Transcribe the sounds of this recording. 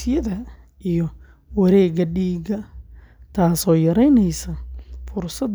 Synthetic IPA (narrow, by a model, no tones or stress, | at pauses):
ɪjɐðɐ | ʔijɔ | wɐɾɛːɡɐɖiːɡɐ | t̪ʰaːsɔːjɐɾɛjnɛjsɐfʊrsɐd̪